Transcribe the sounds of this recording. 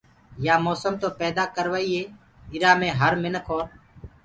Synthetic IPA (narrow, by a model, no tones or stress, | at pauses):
jaːmoːsəmt̪oːpɛːd̪aːkəɾʋəːiːeː | ɪɾaːmẽːɦəɾmɪnkʰoːɾ